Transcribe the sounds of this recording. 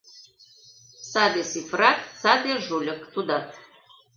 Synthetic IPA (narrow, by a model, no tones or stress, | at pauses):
sad̪esifrat̪sad̪eʒulʲəkt̪ud̪at̪